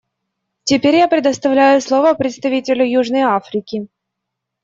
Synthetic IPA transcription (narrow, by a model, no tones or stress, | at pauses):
tʲɪpʲeɾʲjapɾʲɪd̪əst̪ɐvlʲæjʊslˠovəpɾʲɪt̪st̪ɐvʲitʲɪlʲʊjuʐnəjafɾʲɪkʲɪ